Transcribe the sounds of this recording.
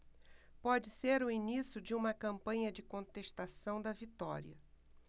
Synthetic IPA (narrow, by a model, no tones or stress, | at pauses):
pɔd͡ʒɪseɾʊinisjʊd͡ʒɪũmɐkɐ̃mpɐ̃ɲɐd͡ʒɪkõt̪eʃt̪asɐ̃w̃d̪ɐvit̪ɔ̰ɾḭɐ